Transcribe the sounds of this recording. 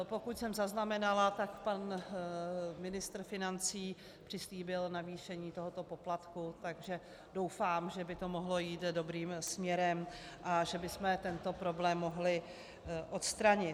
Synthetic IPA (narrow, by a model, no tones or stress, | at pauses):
po̞kucsɛmzaznamɛnalat̪akpan | mɪnɪst̪r̩fɪnant͡siː | pr̝̥ɪsliːbɪlnaviːʃɛɲiːt̪o̞ɦot̪o̞po̞plat̪kut̪aɡʒɛ | do̞wfaːmʒɛbɪt̪o̞moɦlo̞jiːt̪do̞bɾiːmsmɲɛɾɛmʔaʒɛbɪsmɛt̪ɛnt̪o̞pɾo̞blɛːmːo̞ɦlɪ | ʔo̞t̪st̪ɾaɲɪ